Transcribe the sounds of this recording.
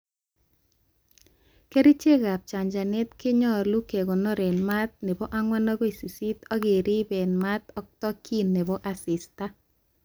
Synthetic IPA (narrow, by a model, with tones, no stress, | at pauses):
ke˦ɾi˦t͡ʃe˦ɣa˨p̚t͡ʃa˨ɲd͡ʒa˨ne˦t̪kɪ˦ɲɔ˦lu˦ke˨ɣo˨nɔ˦ɾe˨nma˦t̪̚ne˨bɔ˦ʔa˦ŋwa˦nɔ˦ɣɔ˦i˨si˨si˦t̪ɔ˦ɣɪ˨ɾɪ˦be˨nma˦t̪ɔ˦k̚t̪ɔ˦kʰi˦nːe˨βɔ˦ʔa˦sɪ˨sta˦